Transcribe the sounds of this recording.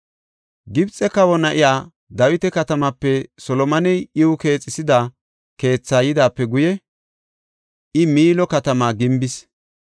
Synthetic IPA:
ɡɪbt͡sʼɛkɐwɔnɐʔɪjaː | d̪ɐwɪt̪ɛkɐt̪ɐmɐpːɛsɔlɔmɐnɛjɪwʊke̞ːt͡sʼːɪsɪd̪a | ke̞ːt͡sːaːjɪd̪aːpːɛɡʊjɛ | ʔɪmiːlɔkɐt̪ɐmaːɡɪmbɪs

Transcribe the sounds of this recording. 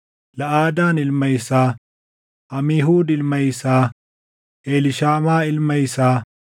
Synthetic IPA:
lɐʔaːd̪aːnɪlmɐjsaː | ɐmiːɦuːd̪ɪlmɐjsaː | eːlɪʃaːmaːɪlmɐjsaː

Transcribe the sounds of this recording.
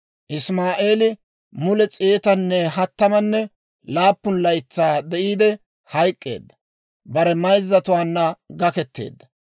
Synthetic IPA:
ʔɪsmaːʔeːlɪ | mʊlɛt͡sʼeːt̪ɐnːɛɦɐt̪ːɐmɐnːɛ | laːpːʊnlɐjt͡sːaːd̪ɛʔiːd̪ɛ | hɐjkʼːḛːd̪ːɐ | bɐɾɛmɐjzːɐt̪ʊwaːnːɐɡɐkɛt̪ːe̞̰ːd̪ːɐ

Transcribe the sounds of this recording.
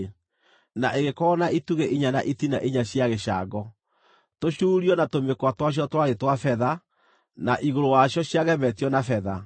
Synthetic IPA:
naʔeɣekɔnaʔituɣeʔiɲana̰ʔitinaʔiɲaɕiaɣeɕa̰ɡɔ | toɕuːɾiɔnatomekwatwaɕ̬jɔtwaɾetwafɛða | naʔiɣoɾowaɕjɔɕiaɣɛmɛtiɔnafɛða

